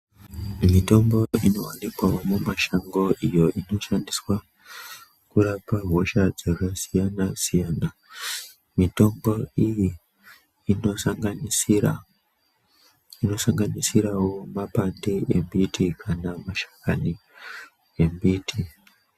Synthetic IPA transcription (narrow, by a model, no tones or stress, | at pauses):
mito̞mbo̞ino̞̰wa̰nikwawo̞mumaʃaŋɡo̞ʔijo̞ʔino̞ʃandiswa | kuɾapaɦo̞ʃad͡zekasijanasijaːna | mito̞mboijiː | noŋɡ | ino̞saŋɡanisiɾawo̞mapandeʔembitikʰanamaʃḁkani | e̞mbiːtʰi